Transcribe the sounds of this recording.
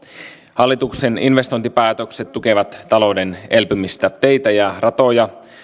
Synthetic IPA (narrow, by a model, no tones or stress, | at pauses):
hɑlːit̪ukse̞ninʋe̞st̪o̞jnt̪ipæːt̪økset̪ːuke̞ʋɑt̪ːɑlo̞wdene̞lpømist̪æt̪e̞jt̪æjɑrɑt̪o̞jɑ